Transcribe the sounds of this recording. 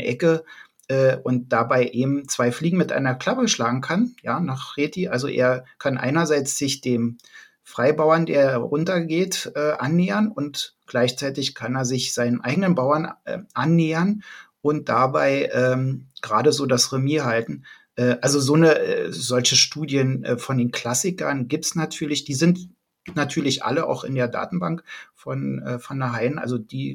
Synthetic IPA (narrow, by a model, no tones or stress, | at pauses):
ʔɛkə | ʔɛːʔʊnt̚d̥abaɪʔeːbm̩t͡sv̥aɪfliːɡŋ̩mɪtʔa̰ɪnɐkʰl̥apəʃlaːɡŋ̩kʰanjaːnaːχʁ̥eːtiʔalzo̰ʔḛːɐkʰanʔa̰ɪnɐzaɪt͡sz̥ɪçd̥eːm | fʁ̥aɪbaʊɐndḛːɐʁʊntɐɡeːtʔɛːʔa̰nːeːənʊntɡ̥laɪçt͡saɪtɪçkʰaneːɐzɪçz̥aɪnənʔaɪɡənənbaʊɐnɛʔanːeːɐn | ʔʊnt̚d̥abaɪʔɛːmɡ̥ʁaːdəzoːdasʁemiːɦaltn̩ | ʔɛːʔalzozoːnəɛ̰zɔlçəʃtuːdjənʔɛ̰ːfɔndeːnkʰl̥asɪkɐ̰nɡiːp̚tsnatʰyːɐlɪçd̥iːzɪnt | natʰyːɐlɪçʔa̰ləʔa̰ʊxɪ̰ndeːɐda̰ːtn̩ba̰ŋkfɔnʔɛ̰ːfɔnaɦaɪnʔa̰lzod̥iː